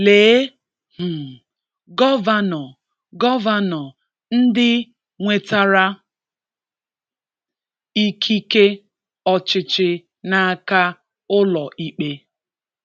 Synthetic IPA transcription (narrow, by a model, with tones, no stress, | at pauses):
leː˨˦ | m̩˨ | ɡɔ˦va˦nɔ˨ | ɡɔ˦va˦nɔ˨ | n̩˦dɪ˦ | ŋʷe˨ta˨ɾa˦ | i˦kʰi˦ke˦ | ɔ˦˨t͡ʃɪ˨t͡ʃɪ˨ | na˨a˨ka˦ | ʊ˦lɔ˨ʔi˦k͡pe˦